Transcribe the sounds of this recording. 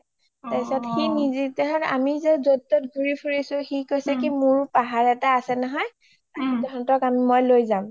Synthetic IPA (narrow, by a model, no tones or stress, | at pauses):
taisɔtxinizitɛɦaɹa̰mizɛzotːɔtɡʱuɹipʰuɹisʊxikojsɛkimʊɹpaɦaɹɛtaasɛnɔɦɔj | amidɔɦɔntɔkamimojlojzam